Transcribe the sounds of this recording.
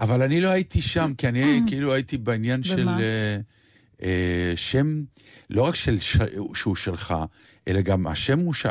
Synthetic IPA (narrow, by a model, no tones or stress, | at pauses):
ʔavalanilo̞aitiʃamkianikeiluajitibeinjanʃele | eʃe̞mlo̞ʁakʃelʃʃeuʃelχa | ʔe̞̰laɡama̰ʃe̞muʃ